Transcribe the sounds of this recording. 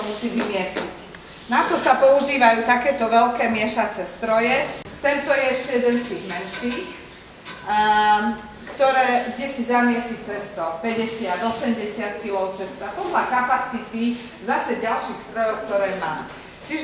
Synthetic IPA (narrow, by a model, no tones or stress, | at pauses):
musiːʋimɪɛsic | nat̪ɔsapɔuʒiːʋajuːt̪akɛːt̪ɔʋɛlkɛːmɪɛʃat͡sɛst̪ɾɔjɛt̪ɛnt̪ɔjɛɛʃcɛjɛd̪ɛnst̪iːɣmɛnʃiːx | kt̪ɔɾɛːɡɟɛsizamɪɛsit͡sɛst̪ɔpɛɟɛsɪad̪ɔsɛmɟɛsɪat̪kilɔʊt͡sɛst̪apɔd̪lakapat͡sit̪i | zasɛɟalʃiːxst̪ɾɔjɔʊk̚t̪ɔɾɛːmaː | t͡ʃiʒ